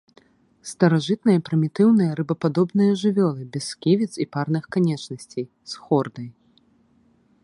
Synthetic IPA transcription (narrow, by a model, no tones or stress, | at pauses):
st̪ɐɾaʐɨt̪̚nɨjɐpɾɨmʲit̪ɨwnɨjɐɾɨbɐpad̪ɔbnɨjɐʐɨvʲɔlˠɨbʲɛskʲivʲit̪siparnɨxkanʲɛt͡ʂnɐsʲt͡sʲej | sxɔrd̪ɐj